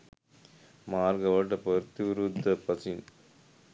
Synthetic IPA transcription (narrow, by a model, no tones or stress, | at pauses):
maːɾɡɐʋɐʈɐpɐɾt̪iɾud̪ɐpɐsin